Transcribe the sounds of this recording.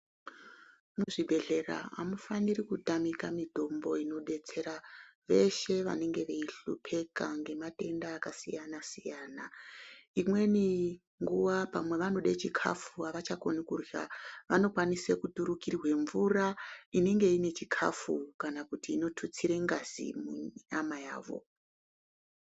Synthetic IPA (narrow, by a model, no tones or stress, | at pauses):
muʐibʱe̞ɮe̞ra̰a̰mufanirikutamikamidʱo̞mbo̞ino̞ɗe̞t͡se̞ɾaʋe̞ʃe̞ʋa̰ne̞ŋɡe̞ʋeiɬṵpʰe̞kaŋɡe̞mate̞ndaːkasijanasijaːnaimweni | ŋɡuʋapamwe̞ʋano̞ɗet͡ʃikʰa̰fuaʋat͡ʃakonikurja̰ʋano̞kwanisekutuɾukirwe̞ɱvuraine̞ŋɡe̞ine̞t͡ʃikʰa̰fukanakutiːno̞tʰut͡siɾe̞ŋɡaz̥ḭmuamaja̰ːʋo̞̰